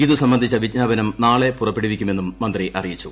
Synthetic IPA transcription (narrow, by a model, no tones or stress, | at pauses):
iðɨsɐmbɐnd̪ʱit͡ɕːɐʋit͡ɕɲaːbɐnɐmnaːɭe̞purɐpːeɽiʋikʲːume̞nːumːɐnd̪riʔɐrijit͡ɕːu